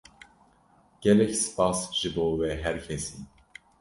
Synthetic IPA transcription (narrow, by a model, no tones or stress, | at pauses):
ɡ̥ɛlɛcsɨ̥pɑːsʒ̥ɨboːwɛɦɛɾcʰɛsiː